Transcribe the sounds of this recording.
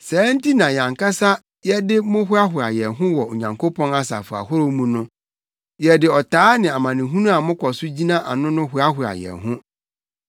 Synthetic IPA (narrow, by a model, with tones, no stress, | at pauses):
sɛː˨˦n̩˦ti˦nã˨ɲã˨ŋka˦sa˦ | jɛ˦dɪ˦mʊ̃˦ɦʊ˦a˦ɦʊ˨a̰˨jɛ˨ɦʊ̃˦wɔ˨o̰˨ɲã˨ŋkʰo˦pʰɔ̃˦na˦sa̰˨fʊ˨a̰˨hʊ˦ɾo˦mũ˦nʊ̃˦ | jɛ˨dɪ˨ɔ˨taː˨˦nɪ̃˨a˨mã˨nɪ̃˨ɦũ˦nũ˦a˨mʊ̃˦kʰɔ˨sʊ˦d͡ʑi˦nã˦ʔa̰˨nʊ̃˦nʊ̃˦ɦʊ˦a˦ɦʊ˨a̰˨jɛ̰˨ɦʊ̃˦